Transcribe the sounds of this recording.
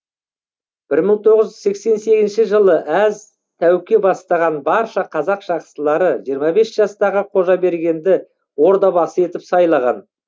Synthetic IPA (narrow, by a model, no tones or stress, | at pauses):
b̥ɪɾməɴt̪ʰo̞ʁəzʒʏzse̞kse̞nse̞ɡʲɪzɪnʃɪʒəlˠəʔæz | t̪ʰæwkʲe̞bɑst̪ɑʁɑnbɑɾʃɑqʰɑzɑqʒ̥ɑqsəlˠɑɾəʒijəɾmɑbe̞sʒ̥ɑst̪ɑʁəqʰo̞ʒɑbe̞ɾɡʲe̞nd̪ɪ | wo̞ɾd̪ɑbɑsəe̞t̪ɪpsɑjlˠɑʁɑ̰n